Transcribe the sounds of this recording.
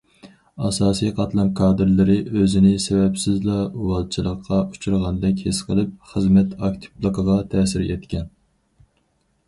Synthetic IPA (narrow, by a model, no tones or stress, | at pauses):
ɑsɑːsijqʰɑt̪lˠɑnkʰɑːd̪ɨɾlˠɨɾɪʔøzɪnɪsɛβɛpsɪzlˠɑuwɑlˠt͡ʃʰɨlˠəqʰːɑʔu̥t͡ʃʰuɾʁɑnd̪ɛkʲhɪsqʰəlˠɨp̚χəzmɛt̪ɑkt̪ʰi̥plˠəqʰəʁɑt̪ʰɛːsɪɾɛt̪kʲɛn